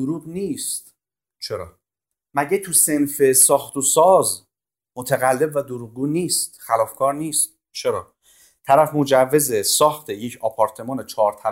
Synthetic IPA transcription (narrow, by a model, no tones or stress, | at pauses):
oɾuːɡniːst̪ | t͡ʃʰe̞ɾɒ̰ː | mæɟet̪ʰuse̞nfe̞sɒːxt̪ʰosɒːz | mot̪ʰæɣælːe̞bvæd̪oɾuːɡ̚ɡuːniːst̪xælɒːfkʰɒːɾniːst̪̚ | t͡ʃʰe̞ɾɒː | t̪ʰæɾæfmod͡ʒævːe̞zesɒːxt̪ʰe̞jecʰɒːpʰɒɾt̪ʰe̞mɒːnet͡ʃʰɒːɾt̪ʰæ